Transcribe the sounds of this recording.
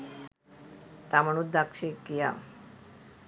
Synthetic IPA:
t̪aməɽ̃ud̪akʂekija̰

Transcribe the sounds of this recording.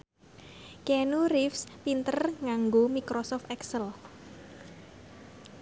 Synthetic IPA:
kɛnuɾifspint̪ərŋaŋɡomikɾɔsɔft̪ɛksəl

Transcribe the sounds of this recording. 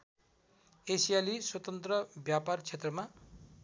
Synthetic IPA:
esijaliswʌt̪ʌnt̪rʌbjapart͡sʰet̪rʌma

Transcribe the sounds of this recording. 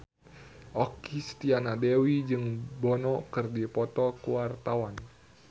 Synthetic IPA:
ʔɔkist̪ianadewid͡ʒɨŋbɔnɔkɨrdipɔt̪ɔkuwart̪awan

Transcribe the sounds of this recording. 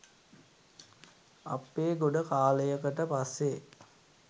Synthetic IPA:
ɐpːeːɡoɖəkaːləjəkəʈəpasːe

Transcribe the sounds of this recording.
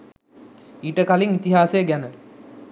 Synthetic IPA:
iːʈəkaliŋit̪iɦaːsejəɡænə

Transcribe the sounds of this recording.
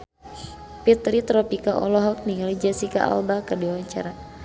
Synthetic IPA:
pit̪ɾit̪ɾɔpikaʔɔ̰lɔɦɔk̚niŋalid͡ʒasika̰ʔa̰lbakərdiawaɲt͡ʃa̰ɾa

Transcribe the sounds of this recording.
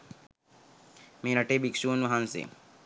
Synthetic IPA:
meːnɐʈeːbikʃuːnʋɐɦansḛ

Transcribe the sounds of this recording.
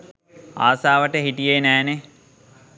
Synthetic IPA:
a̰ːsaːʋəʈəɦiʈijeːnæːne

